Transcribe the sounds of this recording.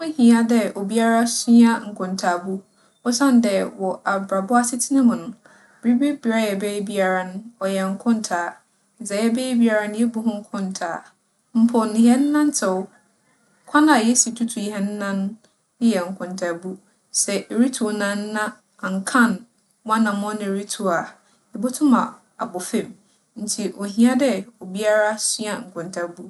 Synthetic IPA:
we˦hĩ˨a˨dɛ˦ʔɔ˨bi˦a˦ɾa˦si˦a˦ŋ̩˨kʰʊ̃˨ntʰaː˨bu˦ | ɔ˦sã˦n˦dɛ˨wɔ˨ʔa˨bɾa˨bʊ˦a˦sɪ˦tʰi˦nɪ̃˦mʊ̃˨nʊ̃˨ | bɾi˦bi˦bi˨˦ɾa˦jɛ˨be˦bi˦a˨ɾa˦nʊ̃˦ɔ˨jɛ˨ŋ̩˨kʰʊ̃˦n˨tʰaː˨ | n̩˨sɛ˨jɛ˦be˦bi˦a˨ɾa˦nɪ̃˦je˦bu˦ɦʊ̃˦ŋ̩˦kʰʊ̃˦ntʰa̰ː˨ | m̩˦pʰʊ˨nɪ̃˨ɦɛ˦n̩˦nã˦n˦tʰɛ˨w | kʷʰã˦nã˨jɛ˦si˨tʰu˦tʰu˨hɛ˦n̩˦nã˦n˦ | ɪ̃˦jɛ˨ŋ̩˨kʰʊ̃˨ntʰa˨bu˦ | sɛ˨ɾi˦tʰu˨nã˦nː˦ã˦ | a˨ŋ̩˨kʰã˦˨n | wã˦nã˨m˦ɔ̃˦nɪ̃˨ɾi˦tʰu˨a˨ | ɪ˨bʊ˦tʰʊ̃˦mã˨ | a̰˨bʊ˨fẽ˦˨m | n̩˦tʰi˨ʔo˨ɦĩ˦a˦dɛ˦o˨bi˦a˦ɾa˦si˦a˨ŋ̩˨kʰʊ̃˨ntʰa˦bu˦

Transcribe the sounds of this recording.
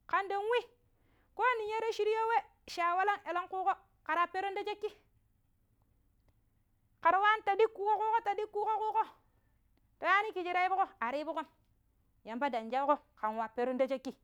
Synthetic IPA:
ka˨nde˨nwi˦ | ko˦ni˨ɲe˦ɾe˦ʃi˦ɾi˦jo˦we˦ | ʃa˨wa˦la˦ŋe˨lo˦ŋku˦ko˦ | ka˨ɾa˨pe˦ɾo˦nda˦d͡ʒe˦kːi˦ | ka˨ɾwa˦n˦ta˨di˦kːu˦ko˦ku˦ko˦ta˨di˦kːu˦ko˦ku˦ko˦ | to˨ja˦ni˦ki˨d͡ʒi˦ɾa˦i˦bu˦ko˦a˨ɾi˦bu˦ko˦n | ja˨mpa˦da˨nd͡ʒa˦ko˦ | ka˨nwa˨pe˦ɾo˦nda˦d͡ʒe˦kːi˦

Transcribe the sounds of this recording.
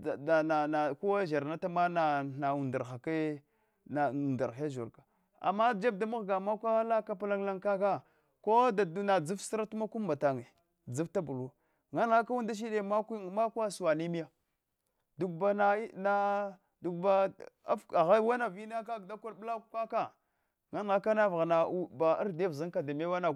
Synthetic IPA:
da˨na˨na˨ku˦wa˦ʒa˨ɾna˦ta˦ma˦na˨na˨u˨nda˨ɾxa˨ke˦ | na˨u˨nda˨ɾxja˦ʒṵ˨ɾka˨ | a̰˨ma˦d͡ʒa˦b̚da˨mu˦ɣɡa˨ma˦kʷa˦la˦ka˦pa˦la˦ŋla˦ŋka˦ka˦ | ko˦da˨˦na˨d͡zu˦fsɾa˦tu˦ma˦ku˦mba˨ta˨ŋe˨ | d͡zu˦fta˦bu˨lu˨ | ŋa˦nɣa˦ka˦wu˦nda˦ʃ̬i˦ɗe˦˨ma˦kma˦ka˦su˨wa˨ni˦mi˦ja˦ | du˨ɡba˨na˨˦na˨ | du˨ɡba˨a˦fa˨ɣa˦wa˦na˨vi˦na˦ka˦da˦ka˦bla˦kʷa˦ka˦ | ŋa˦n˨ɣa˦ka˦na˦vɣa˨na˨˦ba˨a˦ɾde˦vza˦ŋka˨da˨me˦wa˦na˨

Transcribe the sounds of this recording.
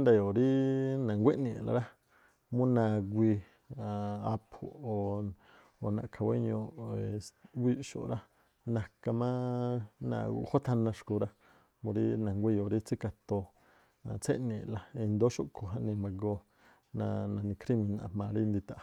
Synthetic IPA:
nd̪a˧˨jo˨ɾi˦nã˨ŋɡʷe˦ʔnĩ˧˨la̰˨ɾa˦ | mũ˦nã˧ɡʷi˧ | a˨a˧pʰo̰˧o˨ | o˨nã̰˨ʔkʰa˨˧wḛ˦ɲõ˧˨ | wʷi˦ʃo̰˨ɾa˦ | nã˧ka˧mã˦nã̰˧ho˦t̪ʰa˧nã˧ʂku˧ɾa˦ | mũ˧ɾi˦nã˨ŋɡʷi˦˧jo˨ɾi˦t͡si˦ka˧t̪o˧ | a˧t͡sʰe˦nĩ˧˨la˧i˧nd̪o˦ʃo˧˨kʰo˨ɦa˧nĩ˧mã˧ɡo˧ | nã˧nã˨nĩ˧kɾi˦mĩ˧nã˧˨mã˨ɾi˦˧nd̪i˧t̪a˧˨˧

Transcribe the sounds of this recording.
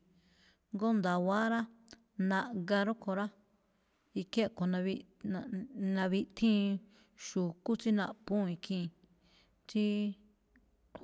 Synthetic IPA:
ŋɡo˦nd̪a˨wa˦ɾa˦ | nã˧ʔɡa˧ɾo˦ko˧ɾa˦ | i˧ke˦˧ko˨nã˧βi˧ | nã˧βi˧t̪ʰĩ˦ | ʃu˨ku˦t͡si˦nã̰˧pũ˦˧i˧kʰĩ˧ | t͡ʃi˦

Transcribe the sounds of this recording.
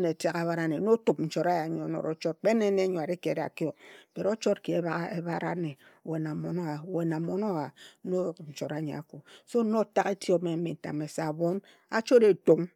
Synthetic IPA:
ne˨te˨ka˨βa˦ɾa˦˨ne˨˦no˦tu˨p̚n̩˨˦t͡ʃo˨ɾa˦ja˨˦ɲo˨˦no̰˨ɾo̰˨t͡ʃɔ˦t̚k͡pe˦ne˦ne˦ɲo˨a˨ɾi˦ke˨ɾa̰˨ki˦o˨b̥e˨ɾo˦t͡ʃo˦tki˨e˦βa˦ɣa˦e˦βa˦ɾa̰˦ne˨ | we˨na˨mo˨no˦a˨we˨na˨mo˦no˦wa˨˦no˦˨n̩˨t͡ʃo˨ɾa˨˦ɲḛ˨a˨ku˨so˦no˦ta˦ke˦ti˦o˦me˨m̩˦mi˨n̩˨ta̰˨me˨sa˨bo˦n | a̰˦t͡ʃo˦de˨to˨m

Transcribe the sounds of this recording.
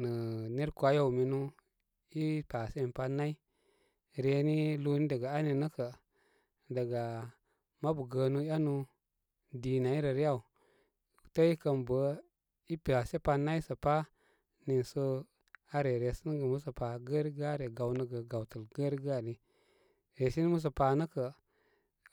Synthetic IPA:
nə˨ne˦ɾkʷa˦ja˦wmi˨nu˦ | i˦pa˨se˦˨pa˧na˦i˦ | ɾe˧ni˦lu˦ni˦də˨ɡa˨a˦ni˨nə˦kə˨ | də˨ɡa˨ | ma˦bu˨ɡə˧nu˦a˦nu˧ | di˨na˨i˦ɾə˨ɾi˦ja˦˨u˨ | tə˦i˦kə˨nbə˨˦ | i˦pa˨se˦pa˧na˦i˦sə˨pa˦ | ni˨nsə˦ | a˦ɾe˨ɾe˨sə˦n˦ɡə˨mu˦s̬ə˨pa˨ɡə˦ɾɡa˦ɾe˨ɡa˨wnə˦ɡə˨ɡa˨wtə˨lɡə˦ɾɡa˦˨ni˨ | ɾe˨si˦n˦mu˦s̬ə˨pa˨nə˦kə˨

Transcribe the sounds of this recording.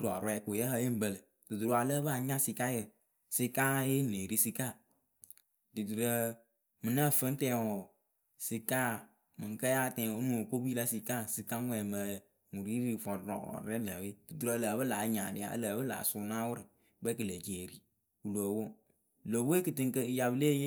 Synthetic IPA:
ɾɔ˨ɾwɛ˦˨ku˨jɛ˦hə˦ji˦m̩˦bə˨lɨ˨ | du˨du˨ɾa˨lə˦ba˦˨ɲa˦si˧ka˦jə˨ | si˦ka˦je˦ne˨ɾi˦si˦ka˦˨ | dɨ˨du˨ɾə˦ | mɨ˨na˦˨fɨ˦n˦tɛ˨wɔ˨ | si˨kaː˦ | mɨ˨ŋ˨kə˦ja˦˨tɛ̃˨o˦nũ˦˨o˨ko˦bi˦la˦si˨ka˦˨si˨ka˦ŋʷɛ˨mə˨˦ | ŋu˨ɾi˦ɾi˨fɔ˨ɾɾɔ̰˨ɾɛ˦lə˨we˦du˨du˨ɾə˨˦ləː˨˦bə˦laː˨˦ɲa˨dɪ˨˦a̰˦ləː˨˦bə˦la̰ː˨su˨˦na˦wʊ˦ɾɨ˨ | ɡ͡bɛ˦kɨ˨lə˨d͡ʒe˨ɾi˦ | u˨lo˨wo˦ | lo˨we˦kɨ˨tɨ˦ŋ˦kə˦˨ja˨bɨ˦le˦je˦

